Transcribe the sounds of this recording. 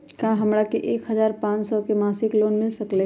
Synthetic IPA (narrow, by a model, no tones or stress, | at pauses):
kãɦɐmɾakeʔeːkɦəzaːɾpãːt͡ʃsɔkemaːsɪkloːnmɪlsəkleː